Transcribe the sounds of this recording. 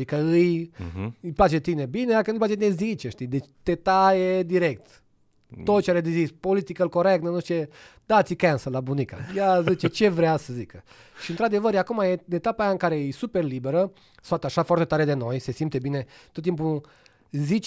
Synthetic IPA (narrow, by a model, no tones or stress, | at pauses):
ikəɨj | jpat͡ʃe̞t̪ine̞bined̪akənuplat͡ʃeinezit͡ʃeʃt̪id̪et͡ʃt̪et̪ajed̪iɾe̞k̚t̪ | t̪ot̪t͡ʃeaɾed̪izispolit̪ikəlko̞ɾek̚t̪nənuʃt̪ied̪at̪sʲikansəlabunika̰jazit͡ʃet͡ʃe̞vɾeasəzikə | ʃiɨnt̪ɾad̪e̞vəɾjakumajeɨnet̪apajaɨŋkaɾejejsuperlibeɾə | soat̪aʃafoart̪e̞t̪aɾe̞d̪e̞no̞jse̞simpt̪ebine̞t̪ot̪ːimp̬u | zit͡ʃ